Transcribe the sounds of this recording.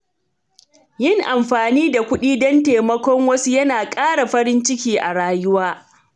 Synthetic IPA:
jɪ˦˨ŋʔa˨mɸaː˨niː˦da˨kʷʊ˦ɗiː˦dɐ˦nteː˨mɐ˦kʷɔ˦ŋwɐ˦su˦jɐ˦naː˨kʼaː˦ɽa˨ɸɐ˦ɾɪ˦nt͡ʃɪ˦kʲiː˦ʔa˨ɽaː˦jʊ˦waː˦

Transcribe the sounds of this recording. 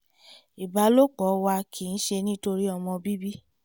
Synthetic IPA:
i˨ba˨˦lo˦k͡pɔ˨˦wa˧kʰi˨n̩˦ʃe˧nĩ˦to˧ɾi˦ɔ˧mɔ̃˧bi˦bi˦

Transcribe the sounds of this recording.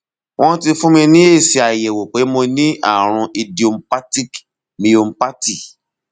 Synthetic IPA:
w̃ɔ̃˦ti˧fũ˦mĩ˧nĩ˦e˦˨si˧a˨jɛ˨wo˨k͡pe˨˦mo˧nĩ˦ʔa̰˦˨ɾ̃ũ˧ʔi˧di˦o˧m̩˦pa˦ti˦k | mĩ˧o˧m̩˦pa˦ti˦˨

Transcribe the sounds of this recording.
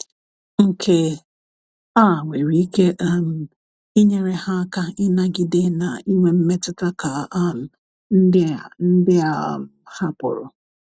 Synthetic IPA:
ŋ̩˨kʰe˨ | a˦˨wʷe˨ɾi˨˦i˦ke˦ʔm˨ | i˦ɲe˦ɾe˦ha˦a˦ka˦ɪ˦na˦ɡɪ˦dɪ˦na˨i˦ŋʷe˦m̩˦me˦tɪ˦ta˦ka˨a˦l̩˨ | n̩˦dɪ˦˨n̩˦dɪ˦a˨ | ha˦pʊ̰˨ɾʊ̰˨

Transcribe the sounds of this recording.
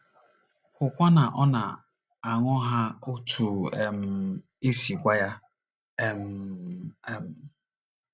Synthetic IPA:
kʊ˨kʷa˦na˨ʔɔ˦na˨ | a˨ŋɔ˦ɦa˦o˦tʰu˨e˨m̩˨ | e˦si˨kʷa˦ja˦ | e˨m˦ | m̩˨

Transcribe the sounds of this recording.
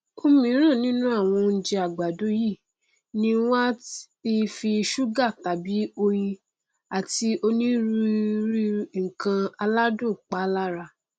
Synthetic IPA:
o˦mĩ˧˦ɾ̃ã˦˨nĩ˦nũ˦a˦˨w̃ɔ̃˧n̩˦d͡ʒɛ˧a˨ɡ͡ba˨do˨˦ji˦˨ | nĩ˧w̃a˦ | i˧fi˧ʃu˦ɡa˦˨ta˨bi˨˦o˧ji˧ | a˨ti˧ʔo˧nĩ˦ɾu˧ɾi˦ŋ̩˨kã˧a˧la˦dõ˦˨k͡pa˨˦la˦ɾa˧

